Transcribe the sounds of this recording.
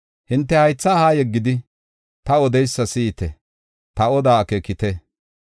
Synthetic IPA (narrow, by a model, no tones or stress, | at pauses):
hɪnt̪ːɛhɐjt͡sːaːhaːjɛɡːɪd̪ɪ | t̪ɐɔd̪ɛjsːɐsiːt̪ɛ | t̪ɐɔd̪aːkeːkɪt̪ɛ